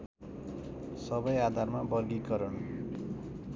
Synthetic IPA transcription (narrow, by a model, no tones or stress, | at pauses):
sʌbʌjad̪ʱarmabʌrɡikʌɾʌn